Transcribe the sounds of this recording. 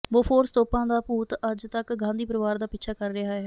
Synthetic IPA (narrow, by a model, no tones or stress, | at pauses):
boːpʰoːɾst̪oːpãːd̪aːpuːt̪əd͡ʒt̪əkɡãːnd̪iːpəɾɪʋaːɾd̪aːpɪtːt͡ʃʰaːkəɾːɪɦaːɦɛː